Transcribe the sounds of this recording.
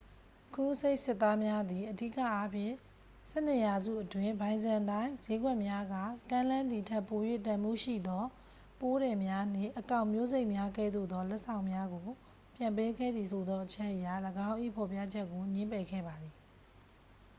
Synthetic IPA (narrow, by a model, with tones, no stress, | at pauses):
kʰɹu˦˨se˦ɪʔsɪ˦t̪ːa˦mja˦d̪i˨ʔədḭ˦˨kä̰˦˨ʔa˦pʰjɪ̰̃˦˨ | sɛ̰˦˨n̥ɪ˦˨ja˨zṵ˦˨ʔətwɪ̃˦˨bã˨ɪ̃nzã˨ntã˦ɪ̃ze˦ɡwɛ˦ʔmja˦ɡa̰˦˨kã˦lã˦nd̪ði˨tʰɛ˦˨po˨jwḛ˦˨tã˨mṵ˦˨ʃḭ˦˨d̪ɔ˦ | po˦ɾɛ̃˨mja˦n̥ɪ̰̃˦˨ʔəkã˦˨ʊ̃mjo˦˨ze˦ɪʔmja˦ɡɛ̰˦˨d̪o̰˦˨d̪ɔ˦lɛ˦ʔsã˨ʊ̃mja˦ɡo˨ | pjã˨mpe˦ɡɛ̰˦˨d̪ði˨sʰo˨d̪ɔ˦ʔət͡ɕʰɛ˦ʔəja˨ləɡã˦ʊ̃ʔḭ˦˨pʰɔ˨pja̰˦˨d͡ʑɛ˦ʔkːo˨ɲɪ̃˦mpɛ˨ɡɛ̰˦˨ba˨d̪ði˨